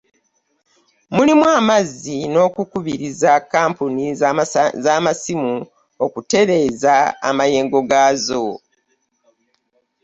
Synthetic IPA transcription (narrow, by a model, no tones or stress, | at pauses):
mulimwaːmazino̞ːkukuβiɾizakaːmpuni | zamasimu | okute̞ɾe̞ːza̰ːmaje̞ːŋɡo̞ɡaːzo